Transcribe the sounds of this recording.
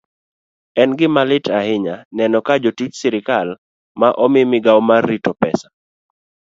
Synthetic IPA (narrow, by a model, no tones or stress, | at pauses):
ɛnɡɪmalɪtʰahɪɲanɛnɔkad͡ʒotit͡ʃsɪɾɪkal | maʔɔmɪmɪɡawmarːitɔpɛ̰sḁ